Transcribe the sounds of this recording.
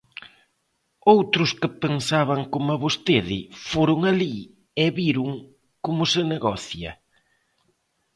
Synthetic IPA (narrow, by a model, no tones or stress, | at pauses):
owt̪ɾʊskɪpensaβ̞ɐŋkomʊɐβost̪eðɪ̰foɾʊŋali | ɛβiɾʊŋ | komʊsɪneɣɔθjɐ̰